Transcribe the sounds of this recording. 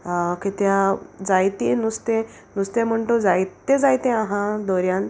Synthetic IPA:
kit̪jad͡zajt̪ẽnust̪ẽ | nust̪em̤əɳʈ̪od͡zajt̪ẽd͡zajt̪ẽãɦãd̪ɔɾjãn

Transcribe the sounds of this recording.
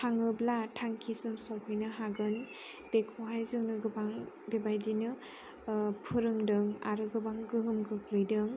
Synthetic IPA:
hʰaŋɯblatʰaŋkʰisɯmsawkʰɯjnɯɦaɡɯn | b̥ekʰoɦajzɯŋnɯɡɯbaŋ | bebajdinɯ | pʰɯɾɯŋdɯŋa̰ɾɯɡɯbaŋɡɯɦɯmɡɯk̚lɯjdɯŋ

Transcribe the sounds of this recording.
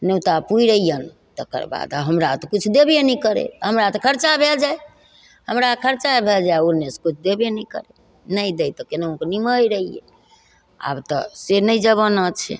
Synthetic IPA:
nəwt̪apuiɾəijən | t̪əkə̰ɾba̰d̪aɦəmɾat̪ɔkit͡ʃʰud̪ebenɛikəɾḛɦəmɾat̪ɔkʰəɾt͡ʃabʱeld͡ʒaj | həmɾakʰəɾt͡ʃabʱeld͡ʒajoɾneskut͡ʃʰd̪ebjenəikə̰ɾḛ | nəjd̪ejt̪ɔkeneokniməjɾəijḛ | a̰bt̪ɔsenəjd͡ʒəβənət͡ʃʰɛ̰

